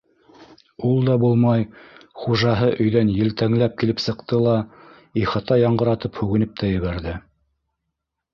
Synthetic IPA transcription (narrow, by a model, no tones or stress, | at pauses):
ulˠd̪ɑbulˠmɑjχuʒɑɦɤʔɵ̆jðænjɘ̆lt̪æŋlæp̚kilɘpsɤ̆qt̪ɤlˠɑ | iχɑt̪ɑjɑɴɢɤ̆ɾɑt̪ɤphʉɣɘ̆nɘp̚t̪ʰæjɵ̆βæɾðɘ